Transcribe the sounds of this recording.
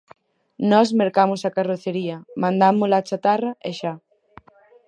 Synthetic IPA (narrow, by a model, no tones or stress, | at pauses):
nɔsmeɾkamʊsakaroθeɾiɐmãnd̪amʊlaːt͡ʃat̪arɐʔeʃa